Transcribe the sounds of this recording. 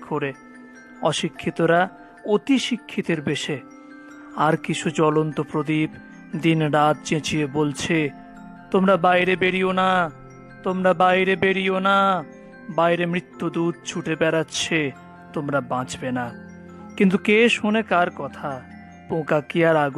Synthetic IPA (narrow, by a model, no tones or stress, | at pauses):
kʰoɾe | ɔʃikʰːit̪oɾa | ot̪iʃikʰːit̪eɾbeʃe | aɾkit͡ɕʰud͡ʑɔlont̪opɾod̪ib | d̪inɾat̪̚t͡ɕẽt͡ɕiebolt͡ɕʰe | t̪omɾabajɾebeɽiona | t̪omɾabajɾebeɽiona | bajɾemɾit̪ːud̪ud̪̚t͡ɕʰuʈʰebɛɾatːɕʰe | t̪omɾabãd͡ʑbena | kint̪̬ukeʃonekaɾkɔt̪ʰa | põkakiaɾaɡu